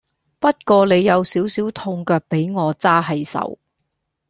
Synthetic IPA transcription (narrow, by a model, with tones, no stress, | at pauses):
pɐ˥t̚kɔː˧le˨˧jːɐ˨˧wsiː˨˥wsiː˨˥wt̪ʰʊ˧ŋkœː˧k̚pe˨˥jŋɔː˨˧t͡saː˥ɦɐ˨˧jsɐ̰˨˧w